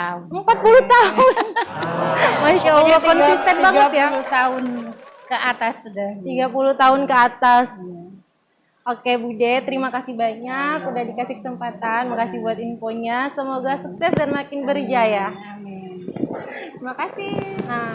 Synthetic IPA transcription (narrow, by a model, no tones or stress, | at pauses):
əmpat̪̚puluht̪aɦʊn | maʃalakɔnsist̪ɛnbaŋət̪japulut̪aʊn | kəat̪asudat̪iɡapulut̪aɦʊnkəat̪as | okebudɛt̪əɾimakasihbaɲakudahdikasɪhkə̥səmpat̪anmakasɪhbuat̪infoɲasəmoɡasuk̚sɛsdanmakɪnbəɾd͡ʒaja | t̪əɾimakasihə